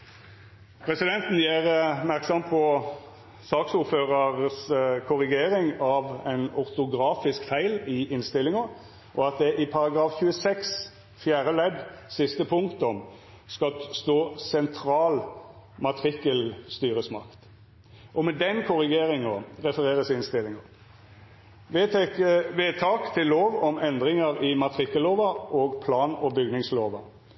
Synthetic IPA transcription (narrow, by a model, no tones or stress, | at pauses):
pʰʁɛsɪd̪ɛnt̪n̩jæːʁpmæʁksɑmpʰɔ | sɑːksuɾføːʁəʁskʰʊɾɪɡeːɾɪŋɑʋæ̰ɪnʊʁt̪ʊɡʁɑːfɪskfæɪlɪʔɪnst̪ɪlːɪŋɑ | ʔɔɑt̪̚d̪ɛʔɪpʰɑʁɑɡʁɑːfçʉːəsɛks | fjæːɾəlɛd̪sɪst̪əpʰʊŋkt̪ɔm | skɑlst̪oːsɛnt̪ʰʁɑːlmɑt̪ʰʁɪkəlst̪yːʁəsmɑ̰kt̪ | ʔɔmɛd̪ɛnkʰʊʁɪɡeːʁɪŋɑʁɛfəʁeːʁəsɪnst̪ɪlɪŋɑ | ʋeːt̪ʰɑːkt̪ʰɪlːoːʋɔmɛnd̪ʁɪŋəɾɪmɑt̪ʁɪkːəlːoːʋɑʔoːɡpʰlɑːnɔbʏɡnɪŋsloːʋɑ